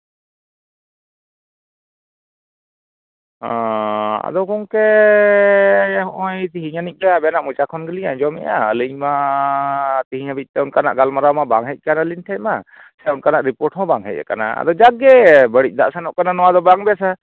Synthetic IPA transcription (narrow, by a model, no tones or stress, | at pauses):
ɔ̃a̰d̪ɔkɔŋkɛ | ɦɔʔɔ̃jt̪iɦiɲanic̚ˀbɛabɛanaʔmut͡ʃakʰɔnɡəliɲaɲd͡ʒɔmɛ̰ʔa̰ə̰liɲma | t̪iɦiɲabic̪̚ˀt̪ɛɔnkana̰ʔɡalmaɾawmabaŋɦɛc̚ˀkanalinʈʰɛt̚ma | sɛunkanaʔɾipɔɾʈɦɔ̃baŋɦɛ̰c̚ˀɛ̰kana̰a̰d̪ɔd͡ʒaɡɛbəɽic̚ˀd̪aʔsanɔʔkananɔwad̪ɔbaŋbɛsa